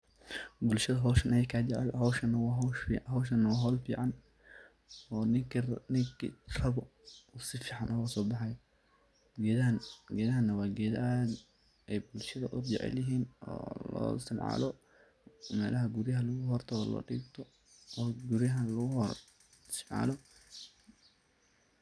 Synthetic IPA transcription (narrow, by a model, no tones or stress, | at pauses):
bʊlʃɐðɐɦɔːʃɐnʔɐjɛjkʰaːd͡ʒɛʕɛ̰lɦɔwʃɐnɐwɑɦɔʃfiːɦɔwʃ̬ɐnːɐwɑːɦɔːlfḭːʕɑn | ɔːnɪknɪŋkʰḭrɐβɔ | ʊsɪfiːʕɑnʔɔːɣɐsɔːbɑħɑjɔ | ɡɛːnɡɛːðɐɦɐnːɐwɑːɡɛðad̪ | ɛjbʊlʃɐðɐʔʊd͡ʒɛ̰ʕɛ̰ljɐɦiːnɔ̰ːlɔ̰ːɪst̪ɪmʕɑ̰lɔ | mɛːlɐɦɐɡʊɾjɐɦɐlʊɣʊɦɔrt̪ʰɐɔlɔ̰ːɖḭːɡt̪ʰɔ | ɔːɡʊɾjɐɦɐlʊɣʊɦɔr | sɪmʕɑ̰ːlɔ